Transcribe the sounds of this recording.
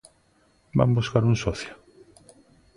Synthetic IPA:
ba̰mbuskaɾuŋsɔθjʊ

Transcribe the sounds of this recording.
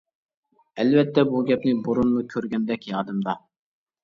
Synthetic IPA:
ɛlvɛt̪ʰːɛbuɡʲɛpnɪboɾunmukʲʰøɾɡʲɛnd̪ɛkʲjɑːd̪ɨmd̪ɑ

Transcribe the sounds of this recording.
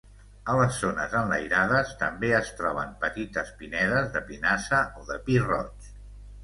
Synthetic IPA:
ələsːonəzənləjɾaðəst̪əmbeəst̪ɾɔβ̞əmpət̪it̪əspinɛðəzðəpinasəʔoðəpirɔ̰t͡ʃ

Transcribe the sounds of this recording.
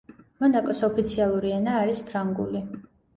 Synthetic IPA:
mɔnakʼɔsɔpʰit̪sʰialˠuɾiɛnaːɾispʰɾaŋɡṵli

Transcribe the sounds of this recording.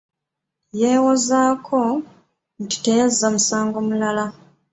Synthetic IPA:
jewozakʰo | ndi̥tezamusaːŋɡomulala

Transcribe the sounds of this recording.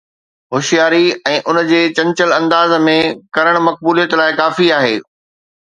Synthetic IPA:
ɦoːʃijaːɾiɛ̃ːʔʊnd͡ʑeːt͡ɕɐ̃ɲt͡ɕəlɐ̃nd̪aːzmẽkɐɾəɽ̃mɐk̚buːlijət̪laːɪkaːfiaːɦeː

